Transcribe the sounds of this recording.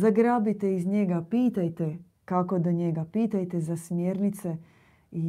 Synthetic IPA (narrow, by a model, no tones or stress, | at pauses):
zaɡɾaːbit̪eizɲeɡapiːt̪ajt̪e | kakod̪oɲeɡapiːt̪ajt̪ezasmjeɾnit̪se | i